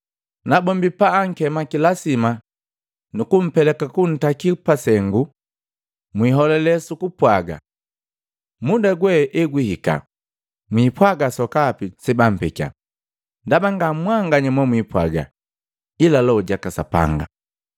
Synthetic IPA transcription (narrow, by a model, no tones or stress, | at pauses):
nabɔmbipaːŋ̩kɛmakilasima | nukum̩pɛlɛkakun̩takipasɛŋɡu | mwiɦɔlɛlɛsukupwaɡa̰ | mudaɡwɛʔɛɡwihika̰ | mwipwaɡasɔkaːpisɛbam̩pɛka̰ | ndabaŋɡamwaŋɡaɲamɔmwipwa̰ɡa̰ | ilalɔɟakasapa̰ŋɡa̰